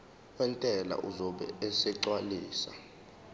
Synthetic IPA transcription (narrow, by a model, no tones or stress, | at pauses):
wɛntʼɛla̰ʔuzɔɓɛ̰ɛsɛǁwaliːsa